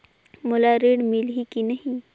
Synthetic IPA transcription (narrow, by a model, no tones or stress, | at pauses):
mʊlaɾeːɽmɪlɦikinɐɦĩ